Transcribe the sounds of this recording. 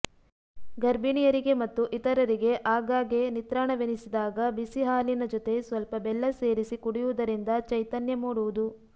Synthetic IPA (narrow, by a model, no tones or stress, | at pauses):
ɡɐɾbiɳijɐɾiɡe̞mɐt̪ːuʔit̪ɐɾɐɾiɡe̞ʔaːɡaːɡe̞nit̪ɾaːɳɐʋenisid̪aːɡɐbisiɦaːlinɐd͡ʒɔt̪e̞sʋɐlpɐbɛlːɐse̞ːɾisikuɽijuʋud̪ɐɾind̪ɐt͡ʃɐjt̪ɐnjɐmuːɽuʋud̪u